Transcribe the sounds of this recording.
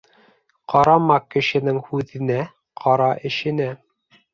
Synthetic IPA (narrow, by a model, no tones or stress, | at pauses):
qɑɾɑmɑkɘ̆ʃɘ̆nɘŋhʉðɘ̆næ | qʰɑɾɑʔɘ̆ʃɘ̆næ